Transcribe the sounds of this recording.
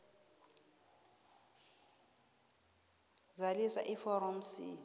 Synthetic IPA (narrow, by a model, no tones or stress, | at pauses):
zalisa̰ʔifɔɾɔm̩sḭ